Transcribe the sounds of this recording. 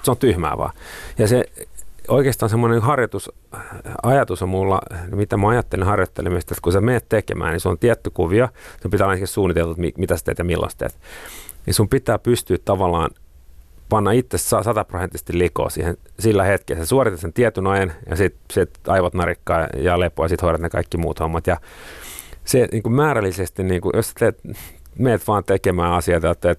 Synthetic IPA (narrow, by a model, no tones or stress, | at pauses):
seont̪yhmæ̰ːʋɑ̰ːjɑse | oikeːst̪ɑːnsemːonenhɑrjot̪us | ɑjɑt̪usommulːɑ̰nimit̪æmɑɑjɑt̪ːelinhɑrjot̪ːelimist̪et̪kusemenːt̪t̪ekḛmæ̰ːnisuo̰nt̪iæt̪ːykuʋiɑsumpit̪æɑlːɑnesiisuːnːˑit̪elt̪uːt̪mḭmit̪æsæt̪ḛːt̪jɑmilːʔɑ̰st̪ḛːt̪nisumpit̪æːpyst̪yːtt̪ɑʋɑlːɑ̰ːn | pɑnːɑit̪ːessɑsɑt̪ɑprosent̪ːˑise̥st̪iliko̰ːsḭːhensilːæhet̪kḛsesuorit̪et̪sent̪iɛt̪ynojnjɑ̰sit̪sit̪ɑijʋɑt̪nɑrikːɑːjɑ̰lepojɑsit̪hoiɾɑt̪nekɑ̰ikːimṵːt̪homːɑt̪jɑ | seniːŋkummæːɾælːisest̪inniːŋkujosæ̥t̪eːt̪ | meːt̪ʋɑːnt̪ekemæːɑsiɑt̪ɑjot̪ːæet̪